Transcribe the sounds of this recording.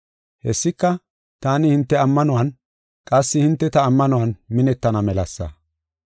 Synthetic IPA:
hɛsːɪkːɐ | t̪aːnɪhɪnt̪ːɛɐmːɐnɔwɐn | kʼɐsːɪhɪnt̪ːɛt̪ɐːmːɐnɔwɐnmɪnɛt̪ːɐnɐmɛlɐsːɐ̰

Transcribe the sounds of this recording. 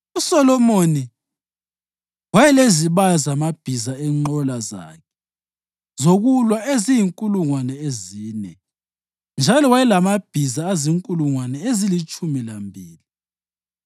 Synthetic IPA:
usɔlɔmoni | wajɛleziβazamab̥ʱizaɛŋ͡ǃɔlaza̰kʰɛ | zoɣulwaezijiŋkʼuluŋwanɛeziːnɛ̰ | nd͡ʒʱalɔwajɛlamab̥ʱizaːziŋkʼuluŋwanɛezilit͡ʃʼumilambʱiːli

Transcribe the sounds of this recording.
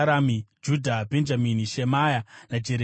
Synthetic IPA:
ɾamid͡ʒudʱabʱend͡ʒaminiʃemajanad͡ʒeɾe

